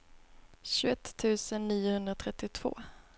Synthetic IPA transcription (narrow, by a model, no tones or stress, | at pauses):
ɕɵɛt̪ʰːʉ̟ːsənːiːʊhɵnd̪ɾat̪ʰɾɛt̪ːɪt̪ʰv̥o̰ː